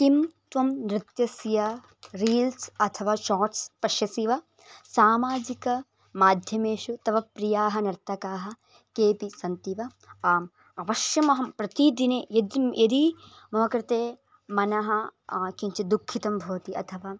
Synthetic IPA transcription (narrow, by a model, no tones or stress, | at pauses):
t̪imt̪ʋɐmnɾɪt̪jɐsjɐ | ɾiːlsɐt̪ʰɐʋaːʃaːʈspɐʃjɐsiʋɐ | saːmaːd͡ʒikɐ | maːd̪ʱjɐmeːʃut̪ɐʋɐpɾijaːɦɐnɐɾt̪ːɐkaːɦɐ̆ | keːpisɐnt̪iʋɐ | ɐʋɐʃjɐmɐɦɐmpɾɐt̪id̪ineːjɐd̪jɐd̪i | mɐʋɐkɾɪt̪eː | mɐnɐɦɐkiɲt͡ʃid̪ukʰːit̪ɐmbʱoːt̪iʔɐt̪ʰɐʋaː